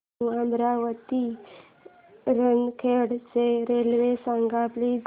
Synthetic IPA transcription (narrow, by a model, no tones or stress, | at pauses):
ãmbɾaʋət̪i | ɾənkʰeɽt͡seɾelʋesaŋɡapli